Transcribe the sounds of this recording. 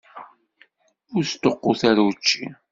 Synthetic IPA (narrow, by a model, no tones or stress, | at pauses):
ʊɾst̪ːoqːʊθaɾwt͡ʃːi